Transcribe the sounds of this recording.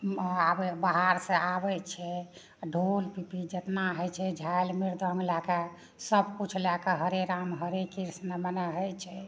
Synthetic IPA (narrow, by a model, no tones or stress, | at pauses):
abɛbaɦaɾsẽʔabɛt͡ʃʰɛ | ɖʱolpipid͡ʒət̪naɦəjt͡ʃʰɛd͡ʒʱajlmiɾd̪ʱə̃ŋɡlake | səbkut͡ʃʰlakeɦəɾeɾamɦəɾekiɾsnəmənɛɦəjt͡ʃʰɛ